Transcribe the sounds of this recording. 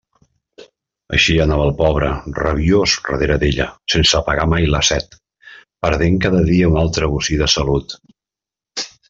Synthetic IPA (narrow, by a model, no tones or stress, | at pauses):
ə̰ʃiənaβəlˠpɔβ̞ɾərəβiosrə̰ðeɾəðeʎə̰sensəpəɣamajləsɛt̪ | pəɾðeŋkaðəðiəunalˠt̪ɾəβusiðəsəlut̪